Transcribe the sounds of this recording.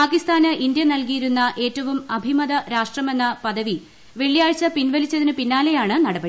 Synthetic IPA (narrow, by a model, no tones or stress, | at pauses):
paːkist̪aːnɨind̪jɐnɐlkijiɾunːɐʔe̞ːtːɐʋumɐbʱimɐðɐɾaːʂʈrɐme̞nːɐpɐðɐʋi | ʋe̞ɭːijaːɻt͡ɕːɐpinʋɐlit͡ɕːɐðinɨpinːaːle̞jaːɳɨnɐɽɐbɐɽi